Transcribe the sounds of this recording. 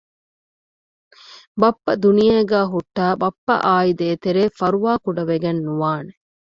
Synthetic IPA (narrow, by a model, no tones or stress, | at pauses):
bɐpːɐd̪unijɐɡæːɦuʈːaːbɐpːɐ̰ʔaːjid̪eːt̪eɾeːfɐɾuʋaːkuɖɐʋeɡɐnːuʋaːne